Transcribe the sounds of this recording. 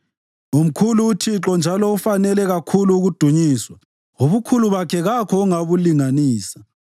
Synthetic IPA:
um̩kʰuluːtʰiǁɔnd͡ʒʱalɔufanɛlɛɣakʰuluːɣud̥ʱuɲiːswa | oβukʰuluβakʰɛɣakʰɔuŋaβuliŋaniːsḁ

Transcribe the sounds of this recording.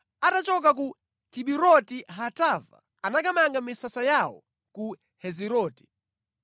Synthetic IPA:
atat͡ʃɔk̬ak̬u | tʰiɓiɾɔtiɦatava̰ | anakamaŋɡamisasajawɔ̰ | ku | hɛziɾɔːti̥

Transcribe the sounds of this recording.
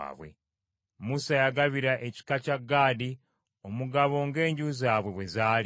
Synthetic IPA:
βwḛ | musajaɡaβiɾaʔeci̥kacaɡːaːdi | omuɡaβo̞ːŋɡe̞ːɲɟuzaːβwe̞βwe̞zaːl

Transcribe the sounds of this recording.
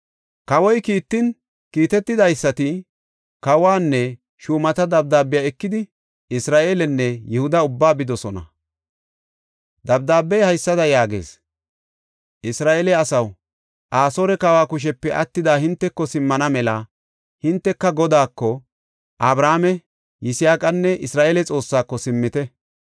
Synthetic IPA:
kɐwɔjkiːt̪ːɪn | kiːt̪ɛt̪ːɪd̪ɐjsːɐt̪ɪ | kɐwaːnːɛ | ʃuːmɐt̪ɐd̪ɐb̚d̪aːbːɪjaːɛkːɪd̪ɪ | ɪsɾaːʔeːlɛnːɛjɛhʊd̪ɐʊbːaːbɪd̪ɔsɔnɐ̰ | d̪ɐb̚d̪aːbːɛjhɐjsːɐd̪ɐjaːɡe̞̰ːs | ʔɪsɾaːʔeːlɛɐsɐw | ʔaːsoːɾɛkawaːkʊʃ̬ɛpːɛʔɐt̪ːɪd̪aːhɪnt̪ːɛkːɔsɪmːɐnɐmɛlɐ | hɪnt̪ːɛkːɐɡɔd̪aːkːɔ | ʔɐbɾaːmɛ | jɪsɪjaːkʼɐnːɛʔɪsɾaːʔeːlɛt͡sʼo̞ːsːaːkːɔsɪmːɪt̪ɛ

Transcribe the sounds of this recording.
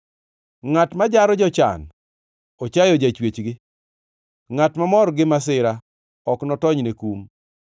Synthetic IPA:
ŋatmad͡ʒaɾɔd͡ʒɔt͡ʃa̰n | ot͡ʃajɔd͡ʒat͡ʃwet͡ʃɡɪ | ŋatmamɔɾɡɪmas̬ɪɾa | ɔknɔtɔɲnekum

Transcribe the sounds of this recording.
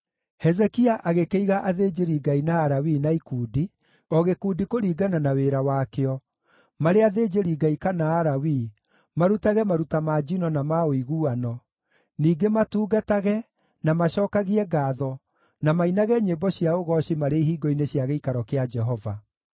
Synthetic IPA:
hɛzɛkiaʔaɣekeiɣaʔaðed͡ʒeɾiɡainaːɾawinaikuːdi | ɔɣekuːdikoɾiːɡananaweɾawaːkeɔ | maɾeaðed͡ʒeɾiɡaikanaːɾawi | maɾutaɣɛmaɾutamad͡ʒinɔnamaoiɣuanɔ | niːɡematuːɡataɣɛ | namaɕɔːkaɣiɛɡaːðɔ | namainaɣɛɲebɔɕiaoɣɔɕimaɾeiɦiːɡɔineɕiaɣeikaɾɔkead͡ʒɛɦɔva

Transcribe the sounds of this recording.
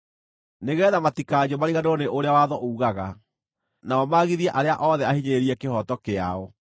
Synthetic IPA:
neɣɛːðamatikad͡ʑomaɾiɣaneɾɔneʔoɾeawaðɔʔuːɣaɣa | naɔmaɣiðiɛʔaɾeaʔɔðɛahiɲeɾiɛkehɔtɔkea̰ɔ

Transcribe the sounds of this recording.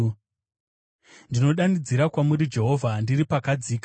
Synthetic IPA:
ndino̞ɗanid͡ziɾakwamuɾid͡ʒe̞ɦo̞vʱandiripakad͡ziːk

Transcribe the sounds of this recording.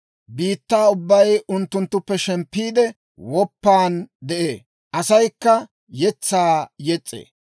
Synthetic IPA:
biːt̪ːaːʊbːɐjʊnt̪ːʊnt̪ːʊpːɛʃɛmpːiːd̪ɛ | wɔpːaːnd̪ɛʔeː | ʔɐsɐjkːɐ | jɛt͡sːaːjɛt͡sʼːḛː

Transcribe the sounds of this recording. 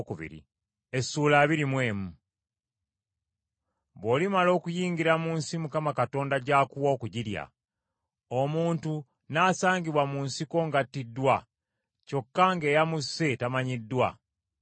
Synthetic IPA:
kuβḭɾḭ | esuːlaːβiɾimwe̞ːmu | βolimalo̞ːkujiːŋɡiɾamuːnsimukamakato̞ːndaɟaːkuwoːkuɟiɾja̰ | omuːntu | naːsaːŋɡiβwamunsiko̞ŋɡatːidːwa | co̞kːaŋɡe̞ːjamuse̞tamaɲidːwa

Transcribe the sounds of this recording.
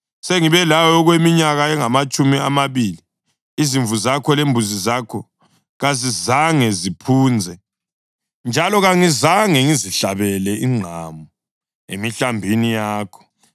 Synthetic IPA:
seŋiβɛlawɔɔɣwemiɲaɣaɛŋamat͡ʃʼumiamaβiːliː | ziɱvuzakʰɔlembʱuzizakʰɔ | ɣazizaŋɛzipʰuːnd͡zʱɛ | nd͡ʒʱalɔɣaŋizaŋɛŋiziɬaβɛlɛiŋ͡ǃʱamu | emiɬambʱinijaːkʰɔ̥

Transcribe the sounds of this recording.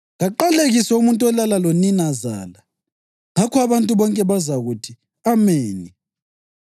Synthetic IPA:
ɣaǃaleɣisɛumuntʼuwɛlalaloninaza̰ːla | ŋakʰɔaβantʼuβɔŋkʼɛβazaɣutʰi | ameːni

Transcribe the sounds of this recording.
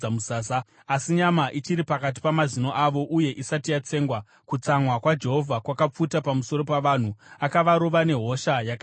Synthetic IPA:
amusaːsaː | siɲamaʔit͡ʃiɾipakat̬i̥pamazino̞ʔaʋo̞ʔuje̞ʔisatijat͡se̞ːŋɡwa | kut͡samwakwad͡ʒe̞ɦo̞vʱakwakap͡futapamuso̞ɾo̞paʋaːn̤uakaʋaɾoʋane̞ɦo̞ʃajaka

